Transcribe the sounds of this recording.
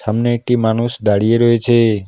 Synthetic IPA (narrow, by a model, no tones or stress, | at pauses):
ɦəmneʈimañusd̪aɽijeɾɔɦet͡ʃʰe